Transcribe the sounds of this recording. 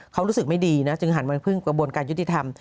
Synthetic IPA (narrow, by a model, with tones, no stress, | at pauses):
kʰa˦˥wɾuː˦˥sɯ˨˩k̚ma˥˩jdiː˧na˦˥t͡ɕɯ˧ŋɦa˩˦nma˧npʰɯ˥˩ŋkɾa˧bu˧ənkaː˧nju˦˥t̪ʰːi˧˩t̪ʰa˧m